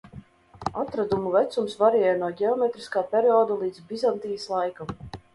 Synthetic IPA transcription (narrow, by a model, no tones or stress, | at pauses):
at̪ɾad̪umuvæt̪sumsvaɾɛɛjnuɔɡʲɛɔmʲet̪ɾiskaːpʲɛɾiɔːd̪alˠiːd̪zbʲizant̪iːjslˠajkam